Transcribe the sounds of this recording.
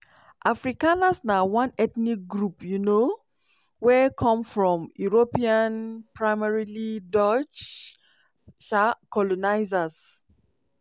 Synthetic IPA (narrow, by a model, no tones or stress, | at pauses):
ʔafɹikanasnawãnɛt̪nik̚ɡɹupjuno | wɛkʰɔ̃mfɹɔ̃mjuɹopiãnpɹaɪmaɹilidɔt͡ʃ | ʃakɔlɔnaɪzas